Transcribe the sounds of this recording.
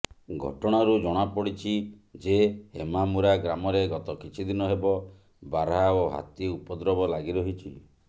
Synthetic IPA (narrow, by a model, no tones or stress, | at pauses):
ɡʱɔ̰ʈɔɽ̃aɾud͡ʒɔɽ̃apɔɽit͡ʃʰid͡ʒeɦemamuɾaɡɾamɔɾeɡɔt̪ɔkit͡ʃʰid̪inɔɦebɔ | baɾaoɦa̰t̪iupɔd̪ɾɔbɔlaɡiɾɔɦit͡ʃʰi